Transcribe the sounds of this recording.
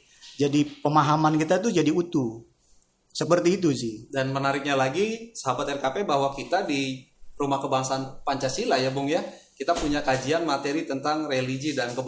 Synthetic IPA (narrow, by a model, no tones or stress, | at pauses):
d͡ʒadipəmaɦamankit̪at̪̬ud͡ʒadiut̪u | səpərt̪iːt̪̬usɪhdanmənaɾɪk̚ɲalaɡisəɦabat̪ɛrkapebaɦwakit̪adi | rumahkəbaŋasanpaɲt͡ʃasilajabʊŋjakit̪apuɲakad͡ʒianmat̪eɾit̪ənt̪aŋrelid͡ʒidankəb